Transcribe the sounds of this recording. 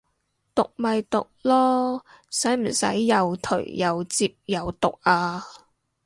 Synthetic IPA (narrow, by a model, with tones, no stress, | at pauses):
t̪ʊ˨k̚mɐ˨jt̪ʊ˨k̚lɔː˥ | sɐ˨˥jm̩˨˩sɐ̰˨˥jːɐ˨wt̪ʰɵ̰˨˩ɥjɐ˨wt͡siː˧p̚jɐ˨˧wt̪ʊ˨k̚ʔaː˧